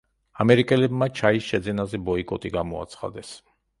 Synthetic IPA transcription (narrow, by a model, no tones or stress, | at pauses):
amɛɾikʼɛlɛbmat͡ʃʰaisʃɛd̪zɛnazɛbɔikʼɔt̪ʼiɡamɔa̰t̪sʰχa̰d̪ɛs